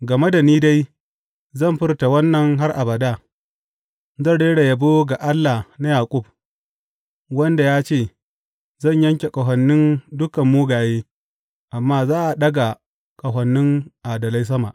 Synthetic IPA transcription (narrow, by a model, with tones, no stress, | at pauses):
ɡɐ˨me˦da˨niː˦da˦j | zɐ˦˨mɸɪ˦rta˨wɐ˦nːɐ˨ŋɦa˦rʔa˨bɐ˨daː˦ | zɐ˦˨ɽeː˦ɽa˨jɐ˨boː˦ɡa˨ʔa˦lːa˨hna˦jaː˨kʼʊ˦b̚ | wɐ˦nda˨jaː˦t͡ʃeː˦˨ | zɐ˦˨ɲjɐ˦ŋkʲe˨kʼɐ˨ɦɐ˨nːɪ˦ndʊ˦kɐ˨mːuː˦ɡaː˨jeː˦ | ʔa˨mːaː˦zaː˦ʔa˨ɗɐ˦ɡa˨ | kʼɐ˨ɦɐ˨nːɪ˦ŋʔa˨dɐ˨la˦js̬ɐ˦ma̰˨ʔ